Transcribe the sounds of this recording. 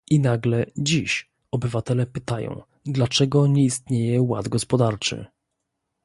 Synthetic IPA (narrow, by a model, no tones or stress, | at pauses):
ʔinaɡlɛd͡ʑiɕ | ɔbɘvat̪ɛlɛpɘt̪ajɔ̰̃w̃ | d̪lat͡ʂɛɡɔɲɛist̪ɲejɛwa̰d̪ɡɔspɔd̪aɾt͡ʂɘ̰